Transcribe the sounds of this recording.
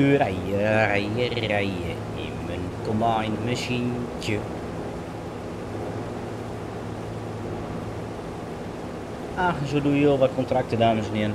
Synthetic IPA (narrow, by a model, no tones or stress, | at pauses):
yəərajərɛjə | ɪ̰ | mənkomajnmasinkjə | axsoːdujoːʋɔt̚kontrak̚tədaːməsənɪən